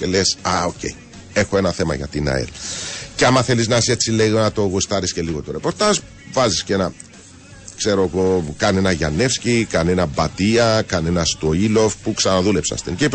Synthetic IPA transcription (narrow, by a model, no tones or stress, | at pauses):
elesɐoce̞̰i | e̞xoe̞nɐθe̞mɐ̰ʝɐ̰t̪inɐ̰ḛlceɐmɐθe̞liznɐse̞t͡sːileɣonɐt̪o̞ɣust̪ɐɾisceliɣo̞t̪oɾe̞po̞ɾt̪ɐʒ | vɐziscenɐ | kse̞ɾoɣokɐne̞nɐʝɐ̰ne̞fscikɐnenɐbɐt̪iɐkɐne̞nɐst̪oilofpuksɐnɐðule̞psɐ̰st̪incep